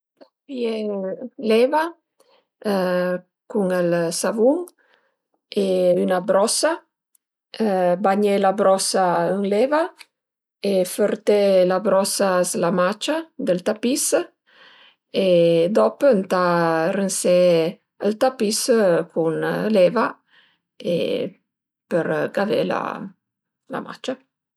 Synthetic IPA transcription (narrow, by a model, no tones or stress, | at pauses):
t̪apielɛva | kuŋəlsavuŋ | eynabɾɔsa | baɲelabɾɔsaəŋlɛva | efəɾt̪elabɾɔsaslamat͡ʃad̪əlt̪apis | ed̪ɔpəənt̪arənse | əlt̪apiskʰunleva | ḛ | pəɾɡavḛla̰ | la̰ma̰t͡ʃa